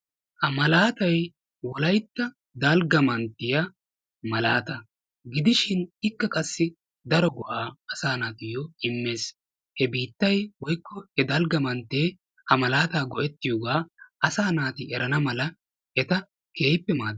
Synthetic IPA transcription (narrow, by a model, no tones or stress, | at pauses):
hɐmɐlaːt̪ɐj | wɔlɐjt̪ːɐ | d̪ɐlɡɐmɐnt̪ːɪjɐ | mɐlaːt̪ɐ | ɡɪd̪ɪʃɪnɪkːɐkʼɐsːɪ | d̪ɐɾɔɡʊʔaːɐsaːnaːt̪ɪjɔɪmːe̞ːs | hɛbiːt̪ːɐjwɔjkːɔhɛd̪ɐlɡɐmɐnt̪ːeː | hɐmɐlaːt̪aːɡɔʔɛt̪ːɪjɔːɡaːɐsaːnaːt̪ɪɛɾɐnɐmɐlɐ | ʔɛt̪ɐ | ke̞ːjpːɛmaː